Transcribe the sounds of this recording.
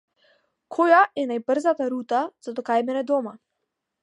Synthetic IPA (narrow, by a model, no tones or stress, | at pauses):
kʰɔjaʔɛnajbr̩zat̪aɾut̪az̥ad̪ɔkajmɛnɛd̪ɔma